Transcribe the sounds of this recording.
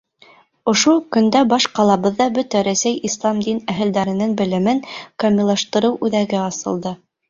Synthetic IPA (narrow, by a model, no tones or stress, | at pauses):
ŏʃukɵ̆nd̪æbɑʃqɑlˠɑβɤ̆ðːɑbɵt̪æɾæsæjislˠɑmd̪inæɦɘ̆ld̪æɾɘ̆nɘŋbɘ̆lɘ̆mɘŋkɐmʲilˠɑʃt̪ɤ̆ɾɤwʔʉðæɡɘɑsɤ̆lˠd̪ɤ